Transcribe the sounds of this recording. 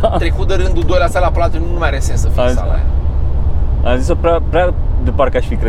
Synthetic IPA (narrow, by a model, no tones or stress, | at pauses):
t̪ɾekut̪̚d̪əɾɨnd̪ud̪ojlast̪alaplat̪ununumajaɾesensəfiasa̰la̰j | azis̬opɾeapɾad̪epaɾekeaʃfikɾe